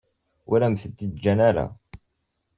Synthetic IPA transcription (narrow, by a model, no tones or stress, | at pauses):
ʊɾæmθət̪ːid̪d͡ʒːænæɾæ̰